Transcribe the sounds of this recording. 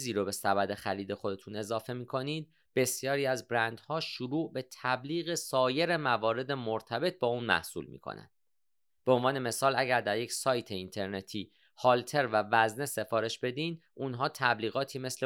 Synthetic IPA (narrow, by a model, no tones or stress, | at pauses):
ziːɾobe̞sæbæd̪e̞xæliːd̪e̞xo̞d̪e̞t̪ʰune̞zɒːfe̞miːkʰo̞niːd̪̚ | be̞sjɒːɾiːæzbɾænd̪̥hɒːʃuɾuːʔbe̞t̪ʰæbliːɣe̞sɒːje̞ɾe̞mævɒːɾe̞d̪emoɾt̪ʰæbe̞t̪̚bɒːuːnmæ̰hsṵlmḭːkʰo̰næ̰nd̪̥ | be̞o̞nvɒːne̞me̞sɒːlæɟæɾd̪æɾjecsɒːjt̪ʰe̞int̪ʰe̞ɾne̞t̪ʰiː | hɒlt̪ʰe̞ɾvævæzne̞se̞fɒːɾe̞ʃbe̞d̪iːnunɦɒːt̪ʰæbliːɣɒːt̪ʰiːme̞sle